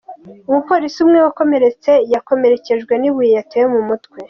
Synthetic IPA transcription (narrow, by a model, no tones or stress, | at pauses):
umupo̞ːɾisiumŋewako̞me̞ɾe̞t͡se̞jako̞me̞ɾe̞ce̞ʒɡwe̞niβujejatejemumutkwe̞